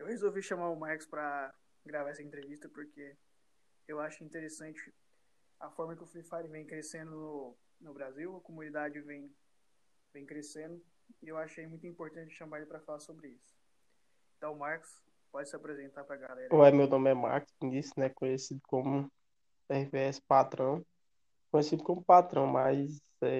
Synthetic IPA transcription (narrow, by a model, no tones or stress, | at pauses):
ewhezowviʃɐ̃maɾʊmaɾkɪ̥spɾɐ | ɡɾavaɾɛsɐẽnt̪ɾevist̪ɐpoɾke | ewaʃʊĩt̪eɾesɐ̃nt͡ʃɪ | ɐfɔɾmɐkɪʊflifaɾivẽj̃kɾesẽnd̪ʊnʊ | nʊbɾaziwɐkomũnid̪ad͡ʒɪvẽj̃ | vẽj̃kɾesẽnd̪ʊ | ɪewaʃʊejmũj̃t̪uĩmpoɾt̪ɐ̃nt͡ʃɪʃɐ̃maɾelɪpɾɐfalaɾsobɾɪisʊ̥ | ẽt̪ɐ̃w̃maɾkʊ̥s | pɔd͡ʒɪsɪapɾezẽnt̪aɾpɾɐɡalɛɾɐoɛmewnõmɪɛma̰ɾkʊ̥snisʊnɛkõɲesid̪ʊkõmʊ | ɛhiveɛsɪ̥pat̪ɾɐ̃w̃ | kõjesid̪ʊkõmʊpat̪ɾɐ̃w̃majz | ɛ